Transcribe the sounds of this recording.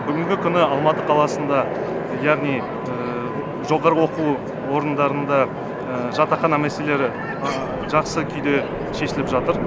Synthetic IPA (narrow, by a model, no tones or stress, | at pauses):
b̥ʏɡʲɪŋɡʲɪkʲʰʏnɪɑlˠmɑt̪əqʰɑlˠɑsənd̪ɑ | jɑʁnij | ə | ʒo̞ʁɑɾəwo̞qu | wo̞ɾənd̪ɑɾənd̪ɑ | əʒɑt̪ɑχɑnæmesele̞ɾɪ | ʒɑqsəkʲʰʏjd̪e̞ | ʃe̞ʃɪlɪpʒɑt̪əɾ